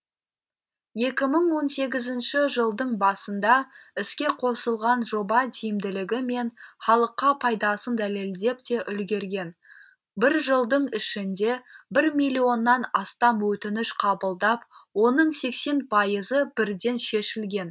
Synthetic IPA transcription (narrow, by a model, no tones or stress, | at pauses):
je̞kʲɪməɴwo̞nse̞ɡʲɪzɪnʃɪʒəlˠd̪əɴbɑsənd̪ɑɪskʲe̞qʰo̞səlˠʁɑnʒo̞bɑd̪ʰijɪmd̪ɪlɪɡʲɪme̞nχɑlˠəqːɑpʰɑjd̪ɑsənd̪æle̞ld̪e̞p̚t̪e̞ʔʏlɡʲe̞ɾɡʲe̞n | bɪɾʒəlˠd̪əɴɪʃɪnd̪e̞bɪɾmijlʲːio̞nːɑnɑst̪ɑmwɵt̪ɪnɪʃqʰɑbəlˠd̪ɑp̚wo̞nəɴse̞kse̞npʰɑjəzəb̥ɪɾd̪e̞nʃe̞ʃɪlɡʲe̞n